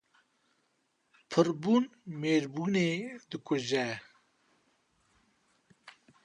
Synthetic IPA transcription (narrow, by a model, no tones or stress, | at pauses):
pʰɨɾbuːnmeːɾbuneːd̪ɨkʰʊʒɛ